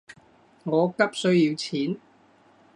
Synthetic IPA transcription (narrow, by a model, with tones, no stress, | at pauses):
ŋɔː˨˧kɐ˥p̚sɵ˥ɥjiː˨˧wt͡sʰiː˨˥n